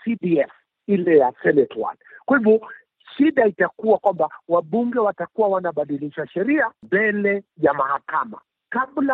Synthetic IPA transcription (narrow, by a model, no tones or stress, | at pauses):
sibiɛf | ilɛjasɛnɛtwa̰lkwahivɔ | ʃiɗaitakuwakwambawaɓuŋɡɛwatakuwawanaɓaɗiliʃaʃɛɾiambɛlɛjamahakama̰ | kaɓla